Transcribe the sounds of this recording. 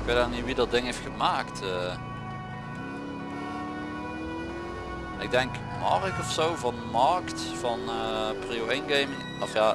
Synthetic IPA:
ɪkʋedaniʋidɑt̚dɪŋɦejftxəmaːktə | a | nɪɡ̚dɛŋk | mɑrəkɔfsowvɑnəmɑrkt | fɑnəprioejnɡejmɪŋ | ɔfjaː

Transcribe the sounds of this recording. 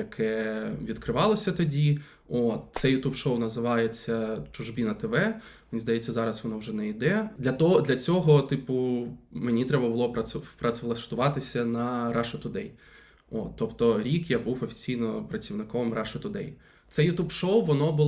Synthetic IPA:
jɐkʰɛʋʲid̪kɾɪʋɑlˠɔsʲɐt̪ɔdʲi | ot̪̚t̪sɛjʊt̪upʃɔwnɐzɪʋɑjet͡sʲːɐt͡ʃʊʒbʲinɐt̪eʋɛ | mʲinʲizd̪ɐjɛt͡sʲːɐzɑɾɐsʋɔnɔwʒɛnɛid̪ɛd̪lʲɐt̪ɔd̪lʲɐt͡sʲɔɦɔt̪ipʊmenʲit̪ɾɛbɐbʊlˠɔpɐpɾɐt͡sʲlˠɐʃt̪ʊʋɑt̪ɪsʲɐnɐɾɑʃɐt̪ʊd̪ɛj | ot̪ːɔpt̪ɔɾʲikjabuwɔfʲi̥t͡sʲijnɔpɾɐt͡sʲiwnɪkɔmrʔɑʃɐt̪ʊd̪ɛj | t̪sɛjʊt̪upʃowʋɔnɔbʊ

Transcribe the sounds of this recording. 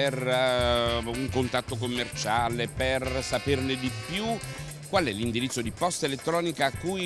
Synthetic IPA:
er | uŋkont̪at̪ːokomːert͡ʃaːlepersaperned̪ipju | kːwalɛlind̪iɾit̪sːod̪ipɔst̪elet̪ːɾɔːnikaːkːuj

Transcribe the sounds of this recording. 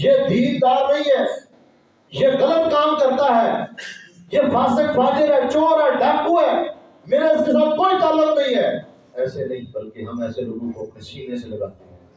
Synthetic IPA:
jeːd̪ʱiːɾd̪aːɾnɐɦĩɦɛː | jeɣɐlət̪̚kaːmkɐɾt̪aɦɛː | jeːfaːsɪkbaːd͡ʒəɾɦɛːt͡ʃoːɾɦɛːɖʱɛːpuɦɛː | meːɾesɪsab̚koːit̪aːlːəknɐ̃ĩɦɛː | ɛːsenɐɦĩbɐlkeɦɐmɛːseloɡũkokɐʃiːneselɐɡaːt̪eɦɛ̃ː

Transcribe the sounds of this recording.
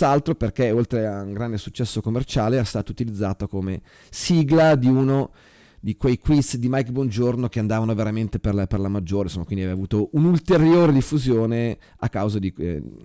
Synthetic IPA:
alt̪ɾoperkeolt̪ɾeauŋɡɾand̪esut͡ʃːɛsːokomːert͡ʃaːleɛːɾast̪aːt̪out̪ilid̪zːaːt̪okome | siːɡlad̪iuno | d̪ikwejkwisd̪imajkbond͡ʒornok̟eand̪aːvanoveɾament̪eperlperlamad͡ʒːoːɾensomːakwind̪iɛveavuːt̪oʔunult̪eɾjoːɾed̪ifːuzjoːne | akːawzad̪i

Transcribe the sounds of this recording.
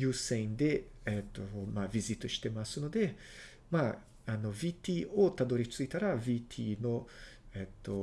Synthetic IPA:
jusejnd̪e | ɛt̪ːomavizit̪oʃt̪emasunod̪e | ma | anovit̪iot̪ad̪oɾit͡ʃt͡suit̪aɾavit̪ʰinoɛt̪ːo

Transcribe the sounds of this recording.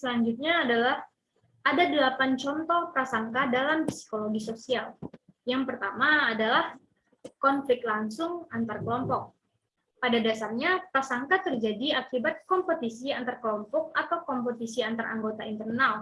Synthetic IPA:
səlaɲd͡ʒut̪̚ɲaːdalah | ʔadadəlapant͡ʃɔnt̪ɔhpasaŋkadalamfi̥si̥koloɡisosial | jaŋpərt̪amaːdalah | kɔnflɪk̚t̪̚laŋsʊŋant̪arkəlɔmpɔk̚ | padadasarɲapasaŋkat̪ərd͡ʒadiakibat̪̚kɔmpot̪isiant̪arkəlɔmpɔk̚at̪awkɔmpot̪isiant̪ara̰ŋɡot̪aint̪ərnal

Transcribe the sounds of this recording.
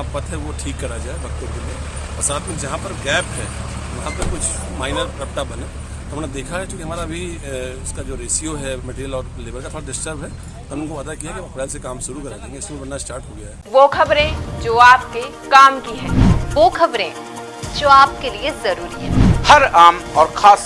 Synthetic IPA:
apɐt̪ɦɛʋoʈʰiːkːɐɾad͡ʒaːebʱɐk̚t̪õkelie | ɔːɾsaːt̪ʰmẽd͡ʒɐɦãpɐɾɡɛːpɦɛːʋɐɦãpɐɾkʊt͡ʃʰmaːɪnəɾɾɐp̚ʈabɐnẽ | t̪oɦɐmːned̪eːkʰaɦɛkjõːkiɦɐmaːɾabʱi | ʊskad͡ʒoːɾeːsioɦɛmɛʈeːɾijəlɔːɾleːbəɾkat̪ʰoːɽaɖɪsʈəɾbʱɦɛ | t̪oɦɐmʊ̃nkoʋaːd̪akijaɦɛkiʋɐ̃pɾɛːlsekaːmʃʊɾukɐɾad͡ʒãɪẽŋɡeɪskeebɐnnaɪsʈaːɾʈɦoːɡeaɛʋoːkʰɐbɾẽd͡ʒoːaːp̚ke | kaːmkiɦɛ̃ːʋoːkʰɐbɾẽː | d͡ʒoːaːp̚keliezɐɾuːɾiɦɛːhɐɾaːmɔːɾkʰaːs

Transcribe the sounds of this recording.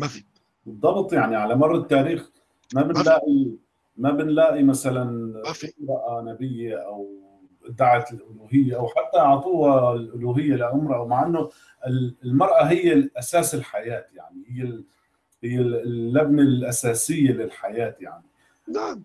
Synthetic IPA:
bɨd̪ˤːɑbt̪ˤjaʕniʕalamɑrˤːɑt̪ːaːɾiːx | mabɪnlaːʔi | mabɪnlaːʔimasalanfɪmɾˤɑʔanabɪjːaʔaw | ʔd̪aʕat̪lʔʊluːɦɪjːaʔawħat̪ːaʕt̪ˤuːhalʔʊluːɦɪjːalaʔʊmɾˤɑʔawmaʕʔɪnːʊ | ʔɪlɪlmɑɾˤʔaɦɪjːaʔasaːsɪlħajaːt̪jaʕnihɪjːa | hɪjːalːabnalʔasaːsɪjːalɪlħajaːt̪jaʕni | a

